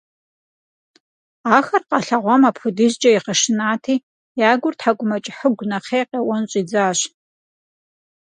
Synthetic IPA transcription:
aːxɐrqɐɬɐʁʷɔmaːpʰxʷʊdɨʒd͡ʒɐiqəʂɨnaːtʰiː | jaːɡʷʊrtħaɡʷʼʊmɐt͡ʃʼɪħəɡʷnɐqeːqewɔnɕʼiːd͡zaːɕ

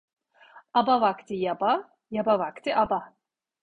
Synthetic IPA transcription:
abavakt̪ʰɯjaba | jabavakt̪ʰiʔaba

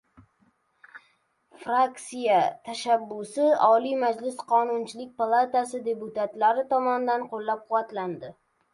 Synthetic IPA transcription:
fɾakt̪sijat̪ʰaʃabːʊsɪɒlijmad͡ʒlɪsqʰɒnʊnt͡ʃʰɪlɪk̚ʲpalˠat̪asɪd̪e̞pʊt̪at̪laɾɪt̪ʰɒmɒnɪd̪anqʰolˠːap̚qʰʊwat̪land̪ɪ

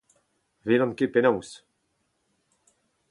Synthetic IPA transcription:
velɑ̃nkepenɔws

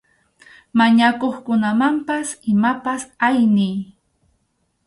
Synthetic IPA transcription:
maɲakoχkʊnamampasɪmapasajnɪj

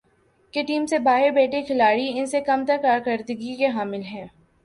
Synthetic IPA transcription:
keʈiːmsebaːɦɪɾbeːʈekʰɪlaːɽiɪnsekɐmt̪ɐɾkaːɾkəɾd̪əɡikeɦaːmɪlɦɛ̃ː

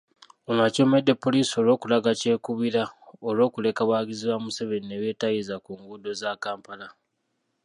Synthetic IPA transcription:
onaco̞medːe̞pːo̞liːso̞lo̞ːkulaɡace̞ːkuβiɾaolo̞ːkule̞kaβaːɡiziβamuseβe̞nineβje̞ːtajizakuŋɡudo̞zaːkaːmpala

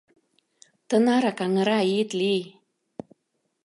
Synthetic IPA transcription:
t̪ɤ̆nɑɾɑkɑŋə̆ɾɑit̪li

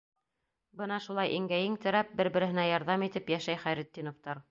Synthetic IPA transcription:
bɤnɑʃulˠɑjʔiŋɡæjɘŋt̪ɘ̆ɾæp̚bɘɾbɘ̆ɾɘ̆ɦɘ̆næjɑɾðɑmit̪ɘpjæʃæjχæjɾɘ̆t̪ʲːinŏft̪ɑɾ

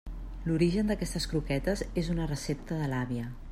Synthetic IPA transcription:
luɾiʒənd̪əkɛst̪əskɾukɛt̪əzezunərəsep̚t̪əðəlaβiə

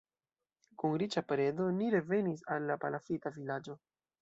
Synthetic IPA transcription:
kunɾit͡ʃapɾe̞do̞niɾe̞ve̞nis̬alːapalafitavilad͡ʒo̞

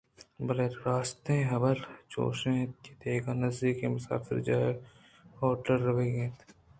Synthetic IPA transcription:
bɐleːɾaːst̪ẽɦɐbəlt͡ʃo̰ːʃẽkit̪eːɡaːnɐzd̪iːkemʊsa̰ːfɪ̰ɾd͡ʒaːe | ɔːʈəɾːɐʋeɡẽːt̪ʰ

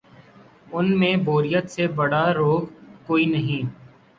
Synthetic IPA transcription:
ʊnmẽboːɾɪjət̪sebɐɽaɾoːɡkoːinəɦĩː

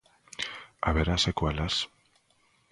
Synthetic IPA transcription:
aβeɾasekwalas

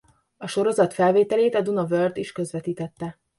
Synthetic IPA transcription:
ɒʃo̞ɾo̞zɒt̪fɛlveːt̪ɛleːt̪ɒd̪unovørd̪iʃkø̞zʋɛt̪iːt̪ɛt̪ːɛ

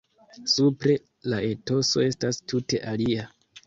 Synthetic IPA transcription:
supɾe̞ | lae̞to̞so̞e̞stastute̞ʔalia

